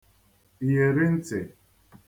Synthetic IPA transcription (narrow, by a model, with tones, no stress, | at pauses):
i˨je˨ɾɪ˦n̩˦te˨